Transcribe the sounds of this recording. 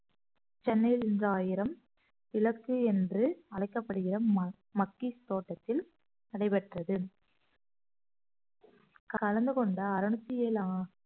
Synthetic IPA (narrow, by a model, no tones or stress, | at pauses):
t͡ʃɛnːɐjɪlɪndrɐaːjɪɾɐm | ɪlɐkːɯɛndrɯɐlɐɪkːɐpːɐɽɯɣɪrɐ | mɐkːist̪oːʈːɐt̪ːɪl | nɐɽɐɪpɛʈrɐðɯ | kkɐlɐnd̪ɯkɔɳɖɐɐːɾɐɳɯt̪ːɪjeːlaː